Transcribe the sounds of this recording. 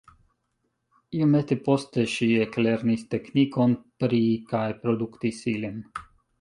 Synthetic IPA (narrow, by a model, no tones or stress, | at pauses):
imɛt̪epost̪ɛʃiɛklɛɾnist̪ɛknʲikɔnpɾikajpɾod̪ukt̪isilɛn